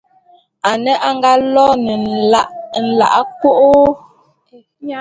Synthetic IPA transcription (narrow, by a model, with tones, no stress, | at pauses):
a˨nɛ˦ʔa˦ŋɡa˦lɔ˦nɛ˨n̩˨la˦˨ʔn̩˨la̰˨ʔa˦ko˦ʔo˦